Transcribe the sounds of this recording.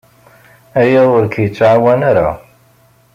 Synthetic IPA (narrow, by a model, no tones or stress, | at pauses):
æjiðˤʊɾkjət͡sːʕawænaɾa̰